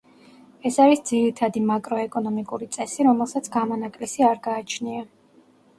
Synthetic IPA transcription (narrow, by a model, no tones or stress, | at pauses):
ɛsaɾisd̪ziɾit̪ʰad̪imakʼɾɔɛkʼɔnɔmikʼuɾit̪sʼɛsiɾɔmɛlˠsat̪sʰɡamɔnakʼlisiaɾɡaːt͡ʃʰnia